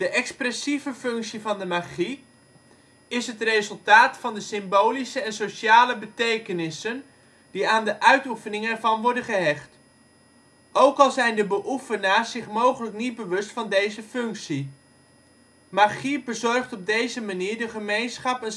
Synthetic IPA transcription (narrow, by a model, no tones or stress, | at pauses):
d̥əʔɛksprɛsivəfɵŋksivɑndəmaχi | ɪsɦətrejzɵlˠtaːtfɑndəsɪmbowlisəɛnsoʃaːləbətejkənɪsən | diaːndəʔœɥtufənɪŋɛɹvɑnʋɔɹdənχəɦɛχt | ʔowkɑlˠzɛjndəbəʔufənaːszɪχmowχələknid̚bəʋɵstfɑndejzəfɵŋksi | maχibəzɔrχtɔb̚dejzəmaniːɹdəχəmejnsχɑpɛn